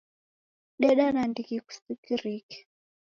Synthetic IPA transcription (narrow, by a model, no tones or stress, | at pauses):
ɗɛɗanandikiku̥sikiɾikɛ̥